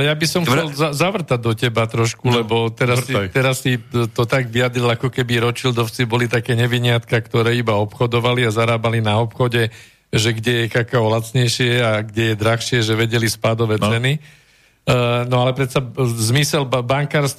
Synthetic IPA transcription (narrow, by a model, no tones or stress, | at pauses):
lɛjabisɔmxt͡sɛlzzaʋr̩t̪aɟ̚d̪ɔcɛbat̪ɾɔʃkulɛbɔt̪ɛɾat̪ɛɾasːit̪ɔt̪aɡʋiad̪ɾilakɔkɛbiɾɔt͡ʃild̪ɔʊt͡sibɔlit̪akɛːɲɛʋiɲɪat̪kakt̪ɔɾɛːibaɔpxɔd̪ɔʋaliazaɾaːbalinaɔpxɔɟɛ | ʒɛɡɟɛjɛkakaɔlat͡sɲɛjʃɪɛaɡɟɛjɛd̪ɾaxʃɪɛʒɛʋɛɟɛlispad̪ɔʋɛːt͡sɛni | nɔalɛpɾɛt̪t͡sazmisɛlbaŋkaːɾst̪